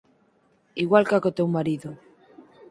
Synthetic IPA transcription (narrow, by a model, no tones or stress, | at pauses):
iɣwalkakot̪ewmaɾiðo